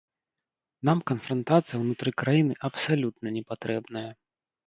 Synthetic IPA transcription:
namkɐnfɾɐnt̪at̪sɨjɐwnut̪ɾɨkɾajinɨʔɐpsalʲut̪nɐnʲɛpat̪ɾɛbnɐjɐ

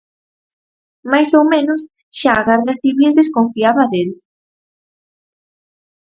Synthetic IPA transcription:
majsowmẽnos | ʃaːɣaɾðaθiβild̪eskoɱfiaβaðel

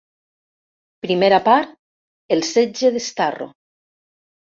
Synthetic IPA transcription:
pɾimeɾapaɾt̪̚ | elˠsed͡ʒeðest̪aro̰

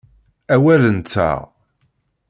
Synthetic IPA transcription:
æwælənt͡s̪ːa̰ʁ

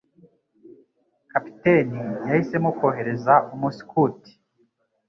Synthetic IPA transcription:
kapi̥tenijahise̞mukoːɦe̞ɾe̞zaʔumusi̥kuːti̥

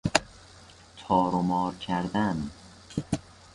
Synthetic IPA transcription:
t̪ʰɒːɾomɒːɾkʲʰæɾd̪æn

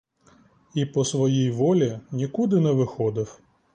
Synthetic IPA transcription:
ipɔsʋɔjijʋɔlʲinʲikud̪ɪnɛʋɪxɔd̪ɪw

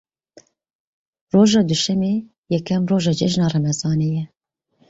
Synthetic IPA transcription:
roːʒɑːd̪uʃɛmeː | jɛkʰɛmroːʒɑːd͡ʒɛʒnɑːrɛmɛzɑːnejɛ

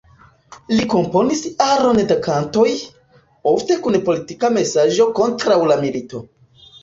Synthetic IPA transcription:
liko̞mpo̞nisaɾo̞ndakanto̞j | o̞fte̞kunpo̞litikame̞saʒo̞ko̞ntɾawlamilito̞

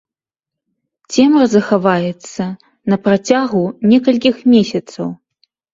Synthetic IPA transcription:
t͡sʲɛmrɐzɐxavajɛt̪sːɐ | nɐpɾat͡sʲaɣunʲɛkɐlʲk̬ʲixmʲesʲɐt̪sɐw

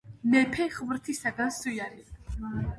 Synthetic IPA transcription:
mɛpʰɛχvɾt̪ʰisaɡansujaɾia

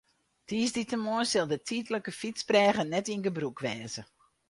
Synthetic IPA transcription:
tʰiːsditəmoənsɪlˠdətʰitləkəfit͡sprɛːɣənɛtinɡəbrukʋɛːzə

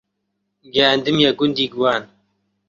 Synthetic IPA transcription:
ɡɛand̪ɨmjaɡʊnd̪iːɡwaːn

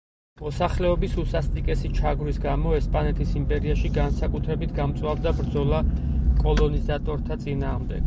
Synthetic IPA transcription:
mɔsaχlɛɔbisusast̪ʼikʼɛsit͡ʃʰaɡɾisɡamɔɛspʼanɛt̪ʰisimpʼɛɾiaʃiɡansakʼut̪ʰɾɛbit̪ʰɡamt̪sʼwavd̪abɾd̪zɔlˠakʼɔlˠɔnizat̪ʼɔɾt̪ʰat̪sʼinaːʁmd̪ɛ̰ɡ̥

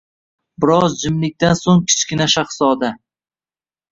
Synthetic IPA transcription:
bɪɾɒzd͡ʒɪmlɪk̚ʲt̪ansoŋkʲʰɪ̥t͡ʃkʲɪnaʃaχsɒd̪a

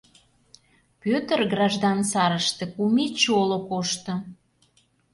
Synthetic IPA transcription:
pøt̪ə̆rɡrɑʒd̪ɑnsɑɾəʃt̪ĕkumet͡ɕolokoʃt̪ŏ

